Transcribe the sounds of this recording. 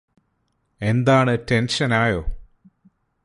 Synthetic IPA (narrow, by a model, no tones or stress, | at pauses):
e̞nd̪aːɳɨte̞nʂɐnaːjo̞ː